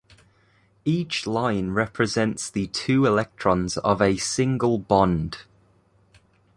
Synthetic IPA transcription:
iˑt͡ʃlãɪ̃nɹɛpʰɹɪzɛ̃ntsðətʰʉːɪlɛk̚tʰɹ̥ɒ̃nzə̰vəsɪ̃ŋɡəlˠbɒ̃nd̥

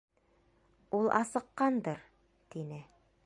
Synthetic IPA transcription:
ulˠʔɑsɤ̆qːɑnd̪ɤɾ | t̪inɘ

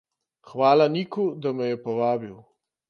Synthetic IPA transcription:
xʋaːlanikud̪amɛjɛpɔʋaːbiw

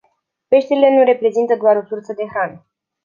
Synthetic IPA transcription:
pe̞ʃt̪eɾile̞nuɾe̞pɾe̞zint̪əd̪oaɾo̞sursəd̪e̞xɾanə

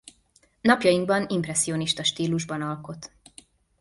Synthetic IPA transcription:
nɒpjɒjiŋɡbɒnimprɛsːio̞niʃt̪ɒʃt̪iːluʒbɒnɒlko̞t̪

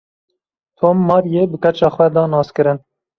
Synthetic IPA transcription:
t̪ʰoːmːɑːɾjeːbɨkɛt͡ʃɑːxwɛd̪ɑːnɑːskɨɾɨn

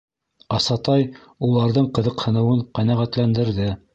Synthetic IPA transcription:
ɑsɑt̪ɑj | ulˠɑɾðɤɴqɤ̆ðɤ̆qhɤ̆nɤ̆wɤɴqænæʁæt̪lænd̪ɘ̆ɾðɘ

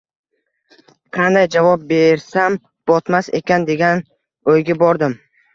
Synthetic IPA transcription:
qʰɑnd̪ajd͡ʒavɒp̚beɾsam | b̥ɒt̪mase̞kʲand̪e̞ɡʲan | ojɡʲabɒɾd̪ɪm

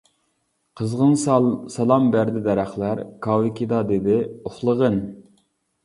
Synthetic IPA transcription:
qʰəzʁənsɑlˠɑmbæɾd̪ɪd̪ɛɾæχlˠæɾkʰɑwɪkʲid̪ɑd̪ɪd̪ɪoχlˠəʁən

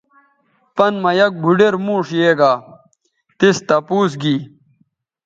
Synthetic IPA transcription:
pɐnmɐjɐk̚bʱuɖeɾmũːʂjeːɡaː | t̪ist̪ɐpuːs̬ɡiː

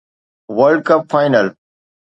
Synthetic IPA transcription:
ʋəɾɖ̚kɐpfaːɪnəl

